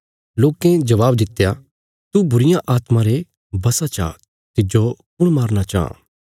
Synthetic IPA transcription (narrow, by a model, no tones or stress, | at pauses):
loːkẽd͡ʒɐʋaːbd̪ɪt̪ːja | t̪ubʊɾɪjãʔaːt̪mãɾe | bɐsat͡ʃa̰ | t̪ɪd͡ʒokʊɽ̃maːɾnat͡ʃaã̰